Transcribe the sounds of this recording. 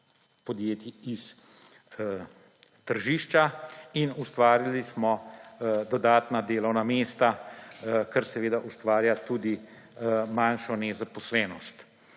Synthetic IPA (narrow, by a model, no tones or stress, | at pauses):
pɔd̪jeːt̪iis | t̪əɾʒiːʃt͡ʃainust̪ʋaːɾilismɔ | d̪ɔd̪aːt̪nad̪eːlɔwnameːst̪a | kɛɾsɛʋeːd̪aʔust̪ʋaːɾjat̪uːd̪i | manʃɔnɛzapɔslɛːnɔst̪